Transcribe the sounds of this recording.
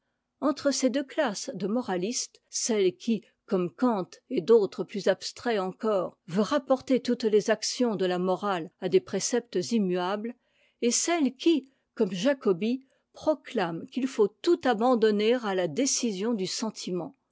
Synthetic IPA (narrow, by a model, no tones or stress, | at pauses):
ɑ̃t̪χəsed̪øklasd̪əmɔʁalist̪sɛlkʲʰi | kɔmkɑ̃t̪ed̪ot̪χəplyzapst̪χɛɑ̃kɔːʁvøʁapɔʁt̪et̪ut̪lezaksjɔ̃d̪əlamɔʁalad̪epχesɛp̚t̪zimyabl | esɛlkʲi | kɔmʒakɔbi | pχɔklamkʲilfot̪ut̪abɑ̃d̪ɔneʁalad̪esizjɔ̃d̪ysɑ̃t̪ʰimɑ̃